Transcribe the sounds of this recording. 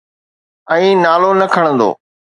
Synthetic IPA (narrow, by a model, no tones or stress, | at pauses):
ɛ̃ːnaːlonɐkʰəɽ̃ə̃nd̪o̰ː